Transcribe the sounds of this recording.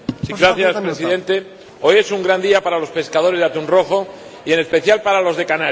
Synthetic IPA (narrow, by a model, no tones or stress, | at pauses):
siɡɾaθjaspɾesiðe̞nt̪e̞ | o̞je̞suŋɡɾand̪iapaɾalo̞spe̞skað̞o̞ɾe̞zðat̪unro̞xo̞ | ie̞ne̞spe̞θjalpaɾalo̞zðe̞kana